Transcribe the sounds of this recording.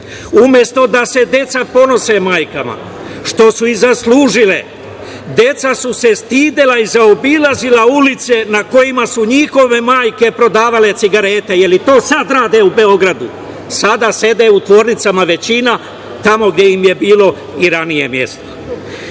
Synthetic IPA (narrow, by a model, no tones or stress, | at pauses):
umje̞st̪o̞d̪ase̞d̪je̞t̪sapo̞no̞se̞maːjkama̰ | ʃt̪o̞suizasluːʒile̞̰ | d̪je̞t̪sasuse̞st̪iːd̪elaizaobilˠazilaulit̪se̞nako̞jimasuɲixo̞ʋe̞maːjke̞pɾo̞d̪aːʋale̞t̪siɡaɾeːt̪e̞je̞lit̪o̞ːsad̪ɾaːd̪eube̞o̞ɡɾad̪u | sad̪ase̞d̪eut̪ʋo̞ːɾnit̪samaʋe̞t͡ɕina | t̪amo̞ɡd̪je̞jimje̞biːlˠo̞ | iɾanije̞mje̞̰st̪o̥